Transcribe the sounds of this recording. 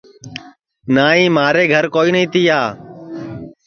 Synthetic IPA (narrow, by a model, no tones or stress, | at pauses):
naːĩːmaːɾeːɡʱəɾkoːiːnəĩːt̪ɪːaː